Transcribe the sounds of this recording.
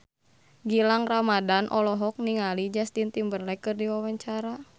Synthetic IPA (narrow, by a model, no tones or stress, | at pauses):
ɡilaŋramadanʔɔlɔɦɔk̚niŋalid͡ʒast̪int̪imbərlɛkɨrdiwawaɲt͡ʃaɾa